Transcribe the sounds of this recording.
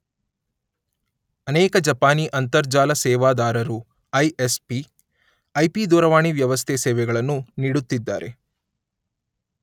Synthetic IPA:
ɐnɛːkɐd͡ʒɐpaːniːʔɐnt̪ɐɾd͡ʒaːlɐsɛːʋaːd̪aːɾɐɾu | ɐjespi | ɐjpid̪ɔːɾɐʋaːɳiʋjɐʋɐst̪ʰesɛːʋɛɡɐɭɐnːuniːɽut̪ːid̪ːa̰ːɾe̞

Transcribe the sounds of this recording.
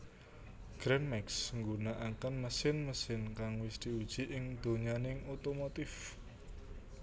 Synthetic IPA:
ɡ̥ɾɛnmɛksŋɡunaʔakənməsɪnməsɪnkaŋwɪsd̪̥i̤ud̥ʒ̥i̤ʔɪŋd̪̥o̤ɲanɪŋot̪omot̪ɪf

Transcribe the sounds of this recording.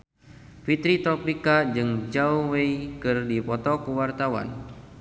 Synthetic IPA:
fit̪ɾit̪ɾɔpikad͡ʒɨŋd͡ʒauweikɨrdipɔt̪ɔkuwart̪awa̰n

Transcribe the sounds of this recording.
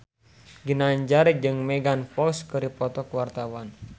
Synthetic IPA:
ɡinaɲd͡ʒaɾid͡ʒɨŋmɛɡanfɔkskəɾipɔt̪ɔkwart̪awan

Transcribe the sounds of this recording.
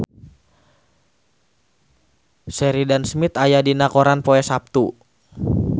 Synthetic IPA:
sɛɾidansmit̪ajadinakɔɾanpoɛsap̚t̪u

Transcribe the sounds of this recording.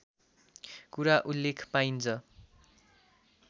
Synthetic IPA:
kuɾaʔulːekʰpaint͡sʰʌ

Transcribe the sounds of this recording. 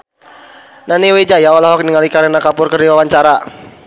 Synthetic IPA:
naniwed͡ʒajaɔlaɦɔkniŋalikaɾenakapʊrkərdiwawaɲt͡ʃaɾa

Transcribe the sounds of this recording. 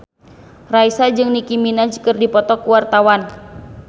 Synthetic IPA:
raisad͡ʒɨŋnikiminad͡ʒkɨrdipɔt̪ɔkuwart̪awan

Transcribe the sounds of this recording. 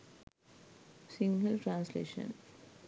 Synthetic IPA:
sĩŋɡəlʈɾãːnslḛːʃə̰̃n

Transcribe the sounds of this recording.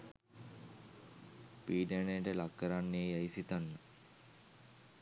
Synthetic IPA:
piːɖenəjʈəlakːəɾanːeːjaisit̪anːə

